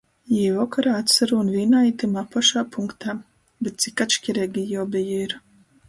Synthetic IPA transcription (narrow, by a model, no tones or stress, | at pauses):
jivɔkaɾaːat̪saɾuunviːnait̪imapɔʃaːpʰuŋkt̪ʰaː | bɛt̪̚t̪sikat̪ʃkʲiɾɛːɡʲijawbijiɾ